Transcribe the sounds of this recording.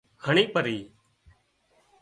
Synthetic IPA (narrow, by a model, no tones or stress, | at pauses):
həɳiːpəɾiː